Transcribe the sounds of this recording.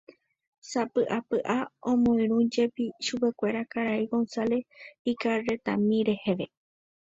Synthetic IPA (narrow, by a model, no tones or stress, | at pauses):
sapɨʔapɨʔaõmõĩɾũd͡ʒe̞piʃupe̞kʷe̞ɾakaɾaiɡo̞nsale̞ikare̞t̪ãmĩɾe̞he̞ʋe̞